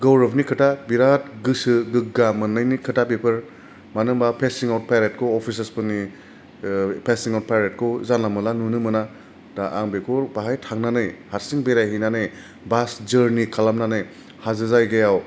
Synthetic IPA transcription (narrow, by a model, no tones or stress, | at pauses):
ɡɔwɾɯbnikʰɯtʰabiɾatɡɯsɯɡɯk̚ɡamɯnːɯjnikʰɯtapepʰɯɾ | manɯŋbapʰesiŋawt̚pʰajɾet̚kʰɔɔpʰis̬espɯni | pʰesiŋawt̚pʰajɾet̚kʰɔzanlamɯlanunɯmɯna | d̥aʔaŋbekʰuɾbaɦajtʰaŋnanɯjhaɾsiŋbeɾajɦijnanɯj | basd͡ʒɯɾnikʰalamnanɯj | hazɯzajɡajaw